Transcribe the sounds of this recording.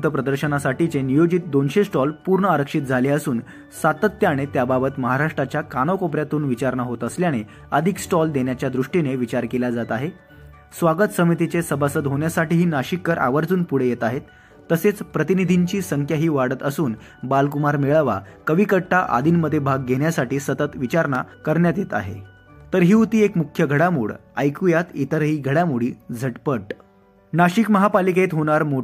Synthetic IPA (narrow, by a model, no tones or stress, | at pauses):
t̪əpɾəd̪əɾɕənasaʈit͡senijod͡ʑiːt̪̚d̪onɕesʈɔlpuɾɳəaɾəkʂit̪̚d͡zʱaleəsuːn | sat̪ət̪ːjaɽ̃et̪jababət̪məɦaɾaʂʈɾat͡ɕjakaɽ̃əʋkopɾjat̪uːnʋit͡ɕaɾɳaɦot̪əsljaɽ̃e | əd̪ʱiksʈɔld̪enjat͡ɕjad̪ɾuʂʈineʋit͡ɕaɾkelad͡zat̪aɦe | sʋaɡət̪səmit̪it͡sesəbasəd̪ɦoɳjasaʈiːɦiːnaɕikːəɾʔa̰ʋəɾd͡zuːnpuɽ̤ejet̪aɦet̪ː | əset͡spɾət̪inid̪ʱiɲt͡ɕiːsəŋkʰjaɦiːʋaɽət̪əsuːn | balk̬umaɾmeɭʋa̰kəʋikəʈʰːaʔa̰d̪ʱiːnməd̪ʱːjebʱaɡːeɳjasaʈiːsət̪ət̪ʋit͡ɕaɾɳakəɾɳjat̪jet̪a̰ɦḛ | t̪əɾɦiːut̪iːekmukʰːjəɡʱəɽamṵːɭajkujat̪it̪əɾɦiːɡʱəɽjamuɽ̤iːd͡zʱəʈpəʈ | naɕikməɦapaliket̪ɦoɽ̃aɾmo